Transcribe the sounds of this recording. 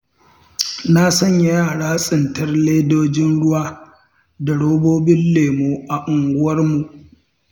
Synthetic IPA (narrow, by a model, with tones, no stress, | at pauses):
na˦sɐ˦˨ɲja˦jaː˦˨ɽaː˦sʼɪ˨ntɐ˦rleː˦doː˦d͡ʒɪ˦nɽʊ˦waː˦ | da˨ɽoː˦boː˦bɪ˦nleː˨moː˨ʔa˨ʔʊ˨ŋɡʷʊ˦wɐ˦rmu˨ʔ